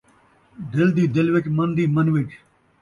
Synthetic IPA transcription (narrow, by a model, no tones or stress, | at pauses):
d̪ɪld̪iːd̪ɪlʋɪkmənd̪iːmənʋɪk